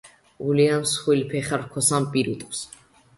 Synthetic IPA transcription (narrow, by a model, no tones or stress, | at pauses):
uliansχwilpʰɛχaɾkʰɔsampʼiɾut̪ʼχs